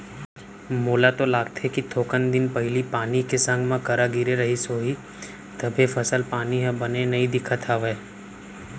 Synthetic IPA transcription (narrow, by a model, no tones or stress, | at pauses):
moːlat̪olaːɡ̚t̪ʰekit̪ʰoːkənd̪ɪnpɐɦɪlipaːnikesə̃ŋɡʱmãkəɾaɡiɾeɾɐɦisoːɦi | t̪ɐbʱefʰəsəlpaːniɦɛ̃bənenɐĩd̪ɪkʰət̪ʰaʋeː